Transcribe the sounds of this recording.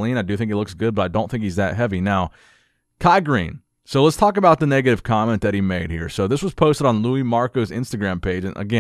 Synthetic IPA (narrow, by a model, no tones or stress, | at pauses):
lĩnaɪdɨθɪ̃ŋkɨtˡlʊksɡ̥ʊd̚bʌɾaɪdõʊ̃nθɪ̃ŋkhizðɨt̚ɦɛvinaʊ | kʰaɪɡɹḭ̃n | soʊlətstʰɔkɨbaʊt̪̚ðɨnɛɡɨɾɨv̥kʰɑmɛ̃nðɨt̚himeɪd̚hḭɹsoʊðɪswʌz̥pʰoʊstəɾn̩luimɑɹkoʊzɪ̰̃nstɨɡɹæ̃mpʰeɪd͡ʒɨ̃nʔɨ̰ɡɛ̃